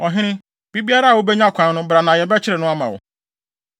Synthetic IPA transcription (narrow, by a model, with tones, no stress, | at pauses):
ɔ˨ɦɪ˦ɾ̃ɪ̃˦ | bi˦bi˦a˦ɾa˦a˨wʊ˦be˦ɲã˦˨kʷʰã˨˦nʊ̃˦bɾa˨nã˨jɛ˨be˦t͡ʃɪ˦ɾe˨nʊ̃˦a˦ma̰˨wʊ̰˨